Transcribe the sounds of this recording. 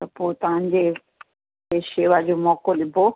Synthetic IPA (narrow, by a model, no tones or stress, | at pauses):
t̪ɐpot̪ɐɦãɲd͡ʑe | eʃeːʋad͡ʑomɔkolɪbʱo